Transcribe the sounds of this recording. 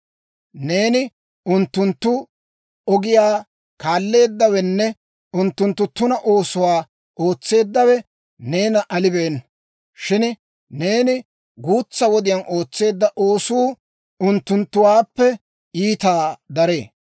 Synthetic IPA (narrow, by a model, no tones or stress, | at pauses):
ne̞ːnɪ | ʊnt̪ːʊnt̪ːʊ | ɔɡɪjaː | kaːlːe̞ːd̪ːɐwɛnːɛ | ʊnt̪ːʊnt̪ːʊt̪ːʊnɐʔo̞ːsʊwaː | o̞ːt͡sːe̞ːd̪ːɐwɛ | ne̞ːnɐʔɐlɪbe̞ːn | ʃɪn | ne̞ːnɪ | ɡuːt͡sːɐwɔd̪ɪjɐnʔo̞ːt͡sːe̞ːd̪ːɐʔo̞ːsuː | ʊnt̪ːʊnt̪ːʊwaːpːɛ | iːt̪aːd̪ɐɾeː